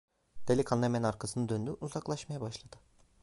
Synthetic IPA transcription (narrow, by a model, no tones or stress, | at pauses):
d̪̥elʲikʰanemɛnaɾkʰasɯnɯd̪ønd̪yʔuzaklˠaʃmajabaʃlˠad̪̥ɯ